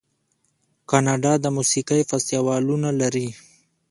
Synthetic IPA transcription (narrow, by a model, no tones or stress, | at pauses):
kɑnɑɖɑd̪əmusikəjfast̪jawɑlunalaɾi